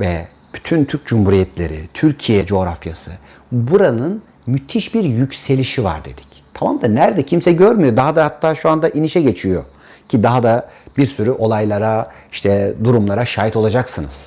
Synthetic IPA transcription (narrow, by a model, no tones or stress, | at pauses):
vɛ | b̥yt̪ʰynt̪ʰyɾc̚d͡ʒumhuɾijɛt̪ʰlʲe̞̰ɾḭt̪ʰyɾcʰijɛd͡ʒo̞ːɾafja̰sɯ̰ | buɾanɯn | myt̪ʰiʃbiɾjycʲse̞lʲiʃiva̰ɾd̪e̞̰d̪̥i̥ct̪ʰamamd̪anæɾd̪ɛcʰimsɛɟøɾmyjo̞d̪aɦad̪ahat̪ʰːaːʃuand̪aʔiniʃɛɟe̞t͡ʃʰijo̞̰ | cʰid̪aɦad̪abiɾsyɾyʔo̞lˠajlˠaɾa | iʃt̪ʰɛd̪uɾumlˠaɾaʃaːjit̪ʰo̞lˠad͡ʒaksɯnɯ̰z̥